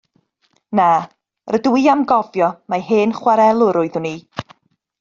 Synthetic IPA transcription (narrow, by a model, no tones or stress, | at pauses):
na | rəduiamɡɔvjɔmaɦeːnχwaɾɛlˠʊɾʊɨðʊni